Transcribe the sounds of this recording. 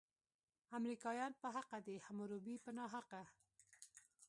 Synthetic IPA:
amɾikɑjɑnpəɦaqad̪ehamoɾobipənɑɦaqa

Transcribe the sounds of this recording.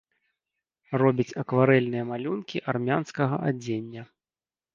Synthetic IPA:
rɔbʲit͡sʲɐkvaɾɛlʲnɨjɐmalʲunkʲiʔarmʲanskɐɣɐ̰ʔa̰d͡zʲenʲːɐ

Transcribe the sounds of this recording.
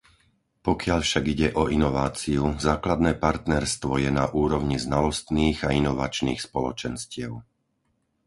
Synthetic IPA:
pɔkɪaʎfʃaɡiɟɛʔɔinɔʋaːt͡siuzaːklad̪nɛːpaɾt̪nɛɾst̪ʋɔjɛnaʔuːɾɔʊɲiznalɔst̪niːɣainɔʋa̰t͡ʃnḭːxspɔlɔ̰t͡ʃɛnscɪɛʊ

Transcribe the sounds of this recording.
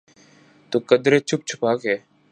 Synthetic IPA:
t̪oːkəd̪ɾeːt͡ʃʰʊp̚t͡ʃʰʊ̥paːkeː

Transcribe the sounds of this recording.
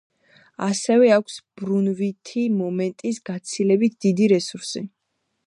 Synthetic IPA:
asɛvɛakʷʰsb̥ɾunvit̪ʰimɔmɛnt̪ʼisɡat̪sʰilɛbit̪̚ʰd̪id̪iɾɛsuɾsi

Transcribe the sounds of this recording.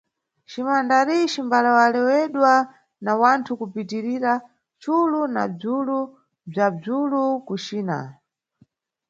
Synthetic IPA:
t͡ʃimandaɾit͡ʃimbalawalɛwɛɗwa | nawantʰukupitiɾiɾa | t͡ʃuluna̰b͡ʐulu | b͡ʐab͡ʐulukut͡ʃiːna̰

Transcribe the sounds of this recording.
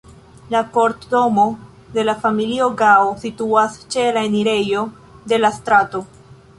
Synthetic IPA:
lako̞ɾtdo̞mo̞ | de̞lafamilio̞ɡaosituast͡ʃe̞laeniɾe̞jo̞ | de̞lastɾato̞

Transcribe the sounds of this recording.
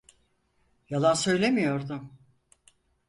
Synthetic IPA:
jalˠansø̞jlʲe̞mijo̞ɾd̪ʊm

